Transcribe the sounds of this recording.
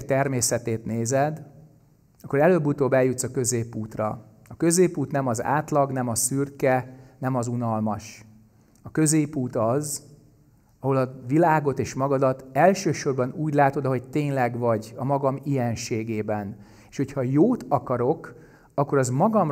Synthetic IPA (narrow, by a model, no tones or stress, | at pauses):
t̪ɛrmeːsɛt̪eːt̪neːzɛd̪ | ɒkːoɾɛløːbːut̪oːbɛljut̪sɒkø̞zeːpːuːt̪rɒ̰ | ɒkø̞zeːpːuːt̪nɛmɒza̰ːt̪lɒɡnɛmɒsyrkɛnɛmɒzunɒlmɒʃ | ɒkø̞zeːpːuːt̪ɒz | ɒɦo̞lɒvilaːɡo̞t̪eːʃmɒɡɒd̪ɒt̪ɛlʃøːʃo̞rbɒnuːɟlaːt̪o̞d̪ɒɦo̞ɟt̪eːɲlɛɡvɒɟɒmɒɡɒmijɛnʃeːɡeːbɛn | eːʃho̞chɒjoːt̪ʰɒkɒɾo̞k | ɒkːo̞ɾɒzmɒɡɒm